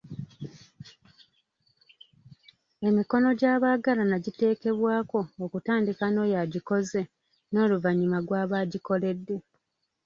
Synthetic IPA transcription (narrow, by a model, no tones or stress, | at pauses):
e̞miko̞no̞ɟaːβaːɡalanaɟite̞ːke̞βwaːko̞ːkutaːndikano̞ːjaɟiko̞ze̞ | no̞ːluvaɲimaɡwaːβaːɟiko̞le̞dːe̞